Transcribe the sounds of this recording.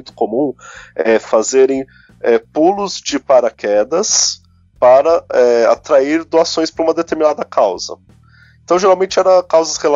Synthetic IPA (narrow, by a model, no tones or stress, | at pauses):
j̃t̪ʊ̥komũɛfazeɾẽj̃ | ɛpulʊzd͡ʒɪpaɾɐkʰɛd̪ɐs | paɾɐɛa̰t̪ɾaiɾd̪oasõj̃spɾɐũmɐd̪et̪eɾminad̪ɐkawzɐ̰ | ẽnt̪ɐ̃w̃ʒeɾawmẽnt͡ʃɪɛɾɐkawzɐshel